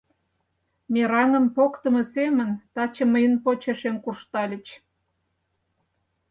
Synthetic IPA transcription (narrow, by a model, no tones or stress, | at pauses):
mʲeɾɑnə̆mpokt̪əmə̆semənt̪ɑt͡ɕə̆məjənpot͡ɕeʃenkuʃt̪ɑlʲə̆t͡ɕ